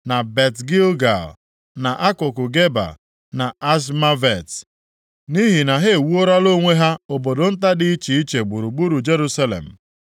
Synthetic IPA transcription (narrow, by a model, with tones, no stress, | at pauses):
na˨be˨tɡi˦lɡa̰˨l | na˨ʔa˦kʊ˨kʊ˨ɡe˦ba̰˨ | na˨a˦s̬ma˦ve˨t | ni˦ɦi˨na˨ɦe˦e˨wu˦o˦ɾa˦lo˦ŋʷe˦ɦa˦o˨bo˨do˨n̩˦t̬a˦dɪ˦i˦t͡ʃi˨i˦t͡ʃe˨ɡ͡bu˨ɾu˨ɡ͡bu˦ɾu˨d͡ʒe˦ɾu˦sa˦lḛ˨m̩˨